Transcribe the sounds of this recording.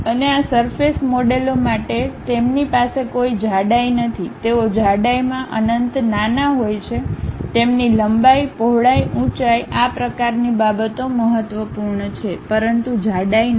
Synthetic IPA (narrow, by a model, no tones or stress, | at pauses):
əneasəɾfʰesmoɖelomaʈet̪emnipasekoid͡ʒʱaɖajnət̪ʰit̪eod͡ʒʱaɖajmãʔə̰nənt̪nanaɦojt͡ʃʰet̪emniləmbajpoɦɭajũt͡ʃajʔapɾəkaɾnibabət̪oməɦət̪ʋəpuɾɳət͡ʃʰepəɾənt̪ud͡ʒʱaɖaj